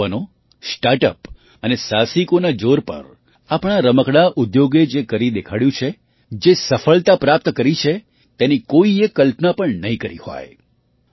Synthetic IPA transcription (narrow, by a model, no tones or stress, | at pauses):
əno | sʈaɾʈəp | ənesasikonad͡ʒoɾpə̰ɾ | apɳ̃aɾəməkɽaʔʊd̪joɡed͡ʒekəɾid̪ekʰaɽjũt͡ʃʰe | d͡ʒesəfəɭt̪apɾap̚t̪kəɾit͡ʃʰe | t̪enikoiekːəlpnapəɳnəɦĩkəɾḭhɔ̰j